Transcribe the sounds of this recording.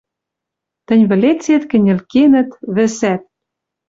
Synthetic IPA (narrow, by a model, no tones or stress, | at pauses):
t̪ɘ̆nʲβɘ̆let͡set̪kɘ̆nʲɘ̆lkenɘ̆t̪βɘ̆sæt̪̚